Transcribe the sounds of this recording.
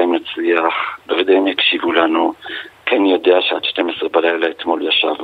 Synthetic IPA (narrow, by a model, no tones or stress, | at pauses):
imnat͡sliaχbeved̪eimjakʃivulanukʰenjo̞de̞aʃead̪ʃte̞mesʁebalajlaet̪mo̞ljaʃa̰v